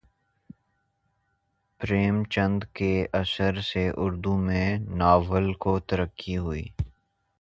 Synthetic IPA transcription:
pɾeːmt͡ʃə̃nd̪keʔɐsəɾseʔʊɾd̪umẽnaːʋəlkot̪əɾəkːiɦʊḭː

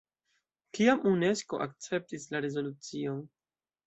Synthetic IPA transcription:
kiamune̞sko̞̰ʔak̚t͡se̞p̚tislaɾe̞zo̞lut͡sio̞n

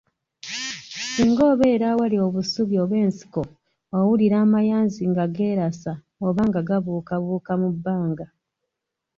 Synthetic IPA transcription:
siŋɡo̞ːβe̞ːɾawalio̞βusuβjo̞ːβwe̞ːnsi̥ko | owuliɾaːmajaːnziŋɡaɡe̞ːɾasa | oβaŋɡaɡaβuːkaβuːkamubːaːŋɡa

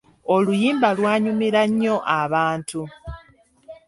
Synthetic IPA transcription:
olujiːmbalwaːɲumiɾaɲːo̞ʔaβaːntʰu

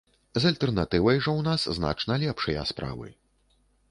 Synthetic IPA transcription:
zɐlʲt̪ɛrnat̪ɨvɐjʐɐwnaszna̰t͡ʂnɐlʲɛpʂɐjɐ̰spɾa̰vɨ̰

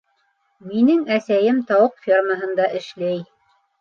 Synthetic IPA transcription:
minɘŋæsæjɘmt̪ɑwɤqfʲirməɦɤ̆nd̪ɑʔɘ̆ʃlæj

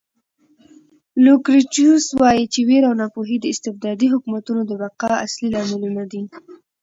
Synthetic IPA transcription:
lukɾit͡ʃuswɑjit͡ʃeweɾawnɑpoɦid̪əɪst̪ɪfd̪ɑd̪iɦʊkumat̪unod̪əbaqɑa̰slilɑmɪlunad̪i

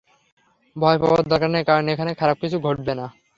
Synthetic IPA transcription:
bʱɔepa̰ba̰dd̪ʱɔɾkaɾnekaɾoneekʰanekʰaɾab̚kit͡ɕʰuɡʱoʈ̚bena

